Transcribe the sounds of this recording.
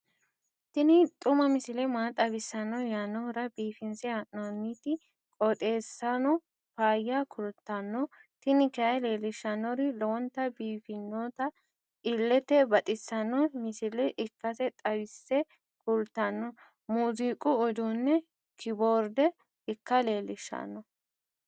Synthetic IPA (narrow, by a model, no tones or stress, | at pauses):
t̪ɪnɪt̪ʼʊmɐmɪsɪlɛmaːt̪ʼɐbɪsːɐnɔjanːɔɾɐbiːfɪnsɛaʔnonːit̪ɪ | kʼɔt̪ʼe̞ːsːɐnɔ | paːjakʰʊlt̪ːɐnːɔt̪ɪnɪkɛɐjleːlɪʃɐnɔɾɪlɔwɔnt̪ːɐbiːfɪnːot̪ɐ | ɪlːɛt̪ɛbɐt̪ʼɪsːɐnɔmɪsɪlɛʔɪkːɐt̪ɛt̪ʼɐbɪsːɛ | kʊlt̪ːɐnːɔ | muːziːkʼʊɔd̪uːnːɛ | kʰɪboːɾd̪ɛ | ɪkːɐleːlɪʃːɐ̰nːɔ